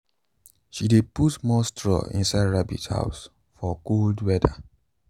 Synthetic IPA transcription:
ʃideputmɔstʰɹɔ̰ḭ̃nsaɪdɹabḭtha̰ʊs | fɔɡoldwɛdə̰

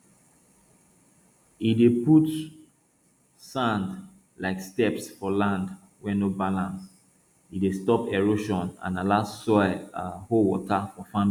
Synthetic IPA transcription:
ideput | sãnd | laɪkstɛpsfɔlãnd | wɛnobalãns | idestɔpɛɹoʃɔ̃nã̰nalassɔɪahowɔ̰tafɔfãm

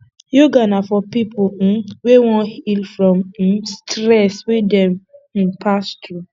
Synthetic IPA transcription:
juɡanafɔpipʰuwewɔ̃hilfɹɔ̃m̩stɹɛswedɛ̃m̩pʰastɹu

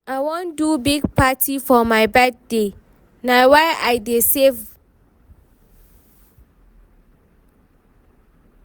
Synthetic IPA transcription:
awɔ̃ndubiɡ̚patʰifɔmaɪbɛd̚de | nawaɪajdesev

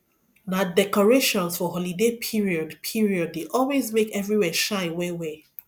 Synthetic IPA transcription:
nadɛkɔɹeʃɔ̃nsfɔɦɔlidepʰiɹiɔdpʰiɹiɔd̚deʔɔlˠwezmekɛvɹiwɛʃaɪwẽwe

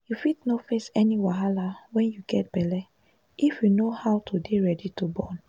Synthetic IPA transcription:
jufitnofesɛniwaɦalawɛ̃njuɡɛt̚b̥ɛlɛ | ʔifjunohawtʰudeɹɛditubɔn

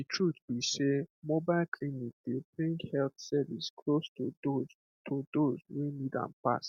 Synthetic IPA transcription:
ditʰɹut̪bisemobaɪlkʰlinik̚debɹĩŋɡhɛlθsɛviskʰlostudoz | tʰod̪ozwunidã̰npa̰st

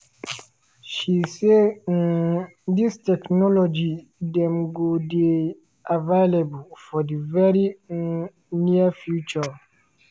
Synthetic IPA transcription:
ʃisendistɛknɔlɔd͡ʒidɛ̃mɡode | avaɪlebulfɔdivɛɹi | niafjut͡ʃə

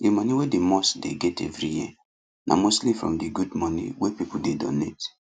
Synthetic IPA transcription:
dimɔ̃niwedemɔsdḛɡɛtɛ̰vɹiji | nʔa̰mostlifɹɔ̰̃mdiɡudmɔnḭwepipuldedo̰net

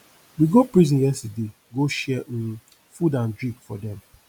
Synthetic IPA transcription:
wiɡopɹizĩnjɛstede | ɡoʃɛ | fudãndɹĩkfɔdɛ̃m

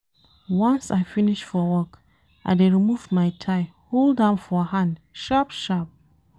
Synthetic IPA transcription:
wãnsaɪfinɪʃfɔwɔk | ʔa̰ɪdeɹimuvmaɪtʰaɪ | holˠdãnfɔhãndʃapʃap̚

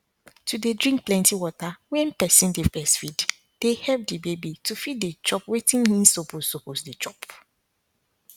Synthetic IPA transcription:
tudedɹĩŋk̚plɛ̃ntiwɔtawɛ̃npɛsĩndepɛstfid | d̥ehɛp̚debebitufid̚det͡ʃɔpwetĩnhĩnsoposoposdet͡ʃɔp

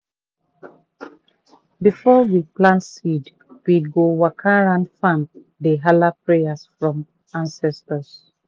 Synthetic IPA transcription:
bifɔwiplãnsid | wiɡowakʰãɹãnfãn | dəɦalapɹejasfɹɔ̃m | ãnsɛstɔs

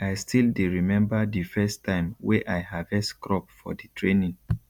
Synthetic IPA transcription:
aɪstʰildeɹimɛ̃mbadifɛstʰːãɪ̃mweʔaɪhavɛskɹɔpfɔ̰ditʰɹenĩŋ

